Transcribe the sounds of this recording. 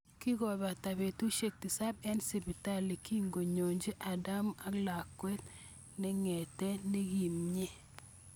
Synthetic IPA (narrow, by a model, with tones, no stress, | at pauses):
ki˦ɡɔ˨ba˨ta˨be˨tu˦ʃe˦k̚ti˨sa˦b̚ɛ˦nsi˨bi˨ta˦li˨ki˦ŋɡo˨ɲo˨ɲd͡ʒe˦ʔa˨da˦ma˦ɡla˨kːwɛ˦t̪ | nɛ˦ŋɛ˨tɛ˦nɛ˦ɡi˨mɲe˦